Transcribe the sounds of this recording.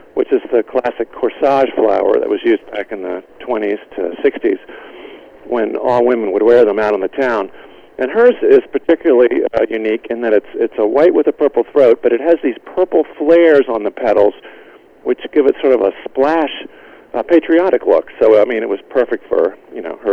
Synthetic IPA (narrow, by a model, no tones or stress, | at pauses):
wɨt͡ʃɨzðɨkʰl̥æsɨkʰɔɹsɑʒ̥fla̰ʊə̰˞ðɨ̰ʔ̚wʌzjʉz̚bækɨ̃nðɨtʰw̥ɛ̃ɾ̃iz̥tʰɨ̰sɪkstḭz̥ | wɨ̃nɔlˠwɪ̃m̃n̩wəd̚wɛɹðə̃maʊɾn̩ðɨtʰãʊ̃n | ʔɨ̃nɦɜ˞sɪz̥pʰə˞tʰɪkjl̩ˠəl̩ˠijʉnikɨ̃nðɨɾɨtsɪtsəwaɪtʔ̚wəðɨpʰɜ˞pl̩ˠθɹoʊt̚b̥ʌɾɨt̚ɦɨzðiz̥pʰɜ˞pl̩ˠflɛɹzn̩ðəpʰɛɾl̩ˠz̥ | wɨt͡ʃɡ̥ɪvɨtsɔɹɾʌvəsplæʃ | pʰeɪt͡ʃɹ̥iɑɾɨklʊ̰ksoʊaɪmĩnɨt̚wʌz̥pʰɜ˞fɨk̚tfə̰˞jɨno̰ʊə˞